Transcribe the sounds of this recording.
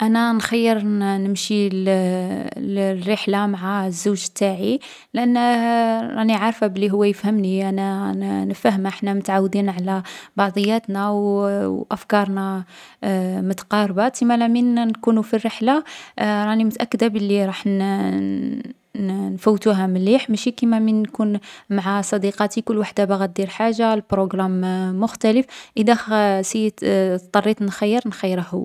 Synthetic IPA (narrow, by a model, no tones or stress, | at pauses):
ʔænænxɑjːəɾnəmʃi | rːəħlamaʕazːuʒət̪ːaʕi | lʔənː | ɾˤɑniʕɑɾˤfabəlːiɦʊwːæjəfhəmniʔænænəfəhəməħnæmʊt̪ʕawːd̪inʕlæbɑʕd̪ˤəjːæt̪næwʔæfkɑɾˤnæ | mʊt̪ɑ̥qɑɾˤbat̪imælæminnkunufirːəħlaɾˤɑnimət̪ʔækːd̪æbəlːiɾˤɑħn | nfuwːt̪uɦæməlːiħmæʃikimæminːkunmaʕasˤɑd̪iqɑt̪ikʊlːwaħd̪abaɣæt̪̚d̪iɾħaʒːalbɾoɡɾamːʊxt̪æləfʔəd̪æsit̪t̪ˤːɑrˤːit̪nxæjːəɾnxəjːəɾəhṵ